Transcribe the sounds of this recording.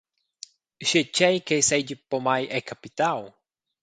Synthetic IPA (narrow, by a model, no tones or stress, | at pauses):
ʃet͡ʃejkejsed͡ʒipomajʔekapit̪aw